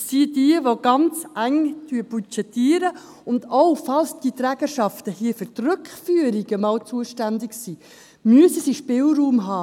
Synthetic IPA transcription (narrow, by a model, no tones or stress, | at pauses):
sidiəʋoɡ̥ɑnt͡sʔæŋtyəb̥ut͡ʃɛtiːɾə | ʊndowfɑlsd̥it̪ɾæːɡ̥əʃɑftəhiːəfʏɾtrʏkχfyəɾiɡ̥əmɑːwt͡suəʃtændɪksiː | myəsəsiʃpɪlɾuːmɦɑː